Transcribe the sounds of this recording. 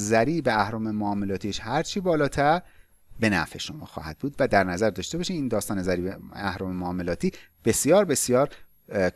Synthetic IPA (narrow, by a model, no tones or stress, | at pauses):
zæɾiːbeæhɾɒːmemoɒːmelɒːt̪ʰiːʃhæɾt͡ʃʰibɒːlɒːt̪ʰæɾ | be̞næ̰fe̞ʃo̞mɒ̰ːxɒ̰ːhæ̰d̪̚buːd̪væd̪æɾnæzæɾd̪ɒːʃt̪e̞bɒːʃiːmiːnd̪ɒːst̪ɒːne̞zæɾiːbeæhɾɒːmemoːmelɒːt̪ʰiː | b̥e̞sjɒːɾbe̞sjɒːɾ